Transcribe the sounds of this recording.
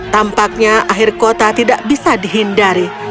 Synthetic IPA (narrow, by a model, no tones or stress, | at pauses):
t̪ampak̚ɲaaɦɪrkot̪at̪idaʔbisadiɦindaɾi